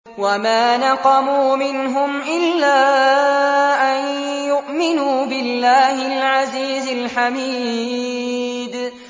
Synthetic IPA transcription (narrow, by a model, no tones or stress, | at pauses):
wamaːnɑqɑmuːmɪnɦʊmʔɪlːaː | ʔanjʊʔmɪnuːbɪlːaːhɪlʕaziːzɪlħamiː | d̪